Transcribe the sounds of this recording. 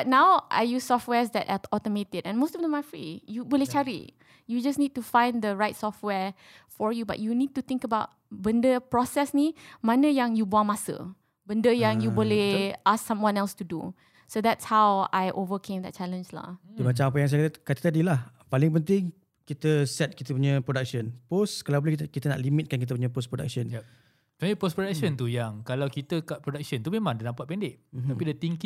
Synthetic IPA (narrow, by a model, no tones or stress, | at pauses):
bat̚nãwʔa̰jussɔft̚wɛsd̪ɛ̰taɔtəmetɪdɛ̃nmostɔvd̪ɛ̃mafɹḭjuboleht͡ʃaɹḭ | jud͡ʒasnid̚tufãj̃nd̪əɹajtsɔftwɛɹ | fɔɹjuba̰ʔ̚junid̚tut̪ɪ̃ŋkəbaʊt̚ | bə̃ndəpɹɔsɛsnimãnəjãŋjuboãŋmasə̰ | bəndəjãŋjuboleʔassãmwãnɛlstudṵ | sod̪ɛtshawa̰jʔovəkʰẽmd̪ɛ̰t̚t͡ʃalə̃nsla̰hdimat͡ʃaŋap̬əjãŋs̬ajakat̪kat̪ət̪adilah | palɪŋpənt̪̬ɪŋ | kit̪əsɛt̪̚kit̪əp̬uɲə̃pɾodak̚sənposkalaboləhkit̪ənaʔlimit̪̚kankit̪̬əp̬uɲəpospɾoda̰k̚sənj | t̪aipospɾodaksənt̪ujaŋkalawkit̪əkaʔpɾodak̚sənt̪umemãŋdanampat̪̚pɛndɪʔm̩t̪apidət̪iŋk